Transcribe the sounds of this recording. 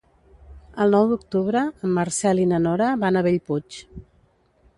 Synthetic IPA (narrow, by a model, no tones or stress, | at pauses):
əlˠnɔwd̪uk̚t̪uβɾəːmːəɾsɛlinənɔɾəβanaβeʎput͡ʃ